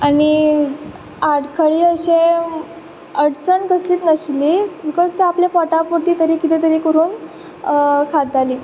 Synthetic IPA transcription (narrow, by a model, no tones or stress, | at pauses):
aɽ̃i | aɽkʰəɭiːəɕẽ | əɽt͡səɳɡəsliːt̪nəɕlikət͡st̪eapljafɔʈapoʈiːt̪əɾiːkit̪ẽt̪əɾiːkəɾuːn | kʰad̪̚d͡zʱaliː